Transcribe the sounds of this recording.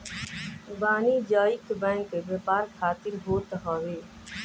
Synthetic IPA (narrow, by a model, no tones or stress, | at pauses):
baːniːd͡ʒaːɪk̪bɛ̃ːŋkeʋepaːɾkʰaːt̪ɪɾɦoːt̪əɦaːʋeː